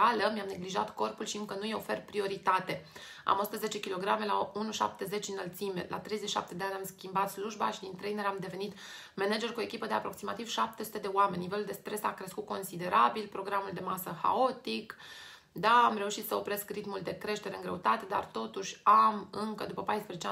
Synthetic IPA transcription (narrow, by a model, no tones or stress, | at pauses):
aləmiamne̞ɡliʒa̰t̪ko̞rpulʃiɨŋkənujeofe̞rpɾio̞ɾit̪at̪e̞ | a̰mosu̥t̪əze̞t͡ʃe̞kʲilo̞ɡɾame̞launuʃa̰p̚t̪e̞ze̞t͡ʃɨnəlt̪simḛlʔa̰t̪ɾe̞jzeiʃa̰p̚t̪e̞d̪e̞anʲamskʲimbat̪sluʒba̰ʃid̪int̪ɾejneɾamd̪e̞ve̞nit̪ | mened͡ʒe̞rkue̞kʲipəd̪e̞apɾo̞ksimat̪iv̥ʃap̚t̪esu̥t̪e̞d̪e̞oame̞nʲːiveluld̪e̞st̪ɾe̞sakɾe̞skut̪̚ko̞nsid̪e̞ɾʔabilpɾo̞ɡɾamuld̪e̞masəxa̰o̞t̪ik | d̪aːmɾe̞uʃit̪səo̞pɾe̞skrit̪muld̪e̞kɾe̞ʃt̪e̞ɾeɨŋɡɾeut̪at̪e̞d̪a̰rt̪o̞t̪uʃʲamɨŋkəd̪upəpajspɾezet͡ʃe